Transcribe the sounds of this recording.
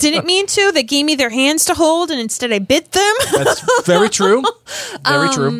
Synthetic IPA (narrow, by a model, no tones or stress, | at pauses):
d̥ɪdⁿn̩ɨt̚mĩntʰʉðeɪɡeɪvmiðə˞ɦæ̃ndz̥tʰəɦoʊlˠdɨ̃nɨ̃nstɛɾaɪbɪt̪̚ðɨ̃mvɛɹitʰɹ̥ʉʔʌɛɹĩɹʉ